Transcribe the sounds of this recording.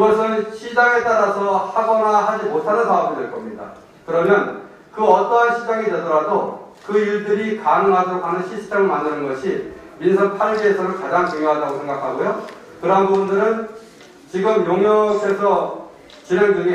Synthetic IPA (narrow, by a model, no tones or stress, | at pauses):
iɡʌsʰʌnɯnɕʰid͡ʑaŋe̞t͈aɾasʰʌhaɡʌnaɦad͡ʑimotʰanɯnpaɡidwe̞ɭk͈ʌmɲida̰ | kɯɾʌmjʌn | kɯʌt͈ʌɦanɕʰid͡ʑaŋede̞dʌɾadokɯiɭdɯɾikanɯŋɦadʌɾokɦanɯnɕʰisʰi̥tt͡ɕʰemɯɭmandɯnɯnɡʌɕʰiminsʰʌnpʰaɭɡiesʰʌɾoɭkad͡ʑaŋt͡ɕoŋjoɦadaɡosʰe̞ŋɡakʰaɡojo | kɯɾʌɦanbubundɯɾɯn | t͡ɕiɡɯmjoŋjʌkʰe̞sʰʌ | t͡ɕinendɯŋe